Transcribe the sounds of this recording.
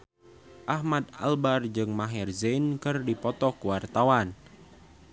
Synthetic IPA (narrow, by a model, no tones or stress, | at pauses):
ʔahmad̪̚a̰lbard͡ʒɨŋmaɦɛrzenkɨrdipɔt̪ɔkuwart̪awan